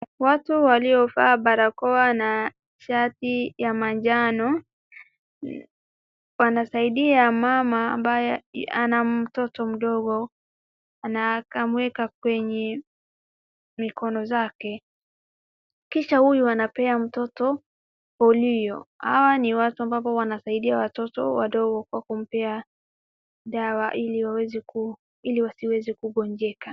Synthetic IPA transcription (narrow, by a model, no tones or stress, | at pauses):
watuwaliɔfaːɓaɾakɔana | ʃatijamaɲd͡ʒanɔ | wanasaiɗiamamaːmbajɛa̰nam̩tɔtɔm̩ɗɔɡɔ | anakamwɛkak̚wɛɲɛ | mikʰɔnɔzakɛ | kiʃahujuanapɛam̩tɔtɔ | hɔlijɔ̰ha̰waniwatuambap̬ɔwanasaiɗiawatɔtɔ̰wa̰ɗɔɡɔkwakum̩pɛa | ɗawaʔiliwawɛzɛku | iliwasiwɛzɛkuɠɔɲd͡ʒɛka